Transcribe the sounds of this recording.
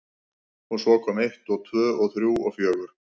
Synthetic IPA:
hunsvɔːkʰɔːmeht̪ɔɣt̪ʰvœːɔɣθɾjuːɔ̰ɣfjœːɣʏɾ̥

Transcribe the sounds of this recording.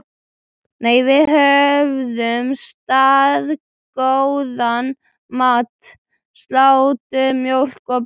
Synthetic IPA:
neːjvɪðɦœvðʏmst̪aːð | kowðan | maːt̪ | st̪lawt̪ʏmjowl̥kɔp

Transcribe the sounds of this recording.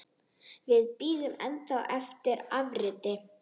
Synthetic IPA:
vɪðpiːðʏmɛnt̪awɛft̪ɪɾavɾɪt̪ɪ

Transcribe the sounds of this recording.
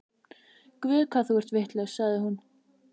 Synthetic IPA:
kvɪːðkʰvaθuɛɾ̥t̪vɪht̪lœɣsaɣðɪhun

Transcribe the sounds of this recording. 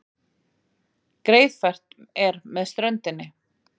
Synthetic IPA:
kɾeːjðfɛr̥t̪ɛɾmɛðst̪ɾœnt̪ɪnːɪ

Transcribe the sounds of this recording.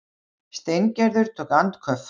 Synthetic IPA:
st̪ejŋcɛɾðʏɾ̥t̪ʰoːkant̪kʰœf

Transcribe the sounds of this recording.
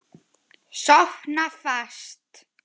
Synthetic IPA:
sɔxnafast̪

